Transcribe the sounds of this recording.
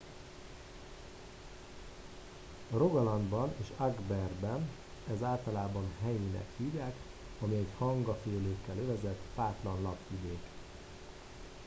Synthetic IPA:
roɡɒlɒnd̪bɒneːʃaɡbɛrbɛn | ɛzaːlt̪ɒlaːbɒnɦɛjinɛ̰khiːdaːk | ɒmiɛchɒŋɡɒfeːløːkːɛløvɛzɛt̪ːpaːt̪lɒnlɒpvid̪eːk

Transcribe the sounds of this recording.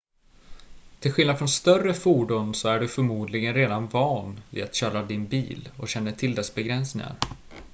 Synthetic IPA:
t̪ʰɪlɧɪlnad̪fɾɔnst̪œrəfuːɖʊnsɔæɖɵfœɾmuːd̪lɪɡənɾeːd̪anvɑːnvḭːat̪ɕœːɾad̪ɪnbiːlɔ̰ɕɛnːəʈʰɪld̪ɛsbɛɡɾɛnsnɪ̰ŋa̰ɾ

